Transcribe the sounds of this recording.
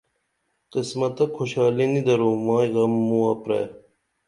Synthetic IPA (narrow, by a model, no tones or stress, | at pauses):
qismɐt̪ɐkʰoɕaːlinid̪ɐɾomãːiɣɐmːũɐpɾḛː